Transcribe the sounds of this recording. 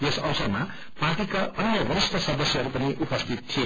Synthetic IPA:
jesʌwsʌrma | parʈikaʌnjʌbʌɾist̪ʰʌsʌd̪ʌsjʌɦʌɾupʌniʔupʌst̪ʰit̪̚t̪ʰːie

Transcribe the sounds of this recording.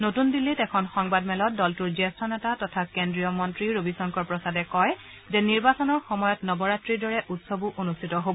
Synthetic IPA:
notundilːitɛkʰɔnxɔŋbadmɛlɔt̚dɔltuɹzɛstʰɔnɛtatɔtʰakendɹijɔmɔntɹiɹobisɔŋkɔɹpɹɔsadɛkɔj | zɛniɹbasɔnɔɹxɔmɔjɔtnɔbɔɹatɹiɹdɔɹɛʔutsobuʔonustʰitɔɦobɔ

